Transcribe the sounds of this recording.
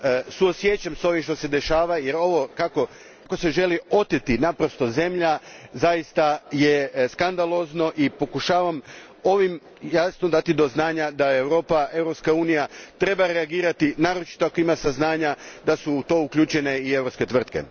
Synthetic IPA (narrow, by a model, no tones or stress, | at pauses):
suosjet͡ɕamso̞ʋimʃt̪o̞se̞d̪e̞ʃaːʋaje̞ɾo̞ʋo̞kako̞ | ko̞se̞ʒe̞lio̞t̪et̪inapɾo̞st̪o̞ze̞mʎazajist̪aje̞skand̪alˠo̞zno̞ʔipo̞kuʃaːʋam | o̞ʋim | jasnod̪at̪id̪o̞znaːɲad̪ae̞wɾo̞ːpae̞wɾo̞pskauːnijat̪ɾe̞baɾe̞aɡiːɾat̪inaːɾot͡ʃi̥t̪oakoimasaznaːɲad̪asuːt̪o̞ukʎuːt͡ʃe̞ne̞iewɾopske̞t̪ʋr̩t̪̚ke̞̰